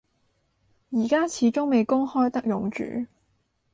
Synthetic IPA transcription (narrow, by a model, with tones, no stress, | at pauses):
jiː˨˩kaː˥t͡sʰiː˨˥t͡ʃʊ˥ŋme˨˧jkʊ˥ŋhɔː˥jt̪ɐ˥k̚jʊ˨ŋt͡ʃy̰ː˨˥